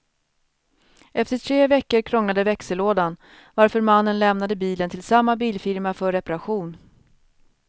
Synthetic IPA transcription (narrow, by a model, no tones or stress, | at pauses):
ʔɛft̪əʈʰɾeːvɛkːəɾkʰɾɔŋːad̪əvɛksəloːd̪an | vaɾfœɾmanːənlɛmnad̪əbiːlənt̪ʰɪlsamːabiːlfɪɾmafœɾːɛpaɾaɧuːn